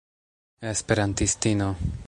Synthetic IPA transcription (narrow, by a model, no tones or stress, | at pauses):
espeɾant̪ist̪ino